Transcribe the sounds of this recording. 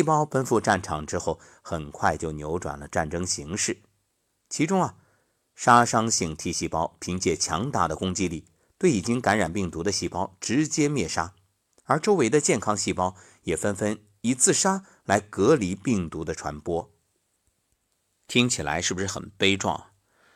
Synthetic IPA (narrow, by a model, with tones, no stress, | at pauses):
i˥˩pɑ˥ʊfə˥nfu˥˧ʈ͡ʂa˥˩nʈ͡ʂʰɑ˨˩ŋʈ͡ʂɻ̩˥xo˥˩ʊ | xə˨˩nkʰwa˥˧ɪt͡ɕjo˥˩ʊnjo˧˥ʊʈ͡ʂwa̰˨˩nlə˦ʈ͡ʂa˥˩nʈ͡ʂɤ˥ŋɕi˧˥ŋʂɻ̩˥˩ | t͡ɕʰi˧˥ʈ͡ʂʊ˥ŋɐ˨ | ʂa˥ʂɑ˥ŋɕi˥˩ŋt̪ʰi˥˧ɕi˥˩pɑ˥ʊpʰi˧˥ŋt͡ɕjɛ˥˩t͡ɕʰjɑ̰˧˥ŋt̪a̰˥˩d̪ə˩kʊ˥ŋt͡ɕi˥li˥˩ | t̪we˥˩ɪi˨˩t͡ɕi˥ŋka˧˥nɻa˨˩npi˥˩ŋt̪u˧˥d̪ə˧ɕi˥˩pɑ˥ʊʈ͡ʂɻ̩˧˥t͡ɕjɛ˥mjɛ˥˩ʂa˥ | ə˞˧˥ʈ͡ʂo˥ʊwe˧˥ɪd̪ə˧t͡ɕjɛ˥˩nkʰɑ˥ŋɕi˥˩pɑ˥ʊ | jɛ˨˩fə˥nfə˥n | i˧˥t͡sʰɹ̩˥˩ʂa˥ | la˧˥ɪkɤ˧˥li˧˥pi˥˩ŋt̪u˧˥d̪ə˧ʈ͡ʂʰwa̰˧˥npwɔ˥ | t̪ʰi˥ŋt͡ɕʰi˨˩la̰˧˥ɪʂɻ̩˥˩bu˩ʂɻ̩˥˩xə̰˨˩npe˥ɪʈ͡ʂwɑ̰˥˩ŋ